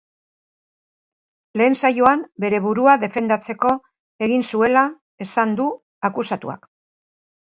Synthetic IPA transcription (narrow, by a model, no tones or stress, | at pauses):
le̞ːnsajoambe̞ɾe̞βuɾuaðe̞fe̞nd̪at͡se̞ko̞ | e̞ɣinsue̞la | e̞sand̪u | akusat̪ṵa̰k